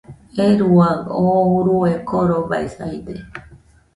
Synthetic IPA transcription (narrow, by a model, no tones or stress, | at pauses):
eɾuaɡouɾuekoɾoba̰isaid̪e